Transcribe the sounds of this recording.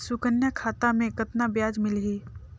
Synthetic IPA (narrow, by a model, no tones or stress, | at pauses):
sʊkənjakʰaːt̪amẽkət̪nabjaːd͡ʒmɪlɦiː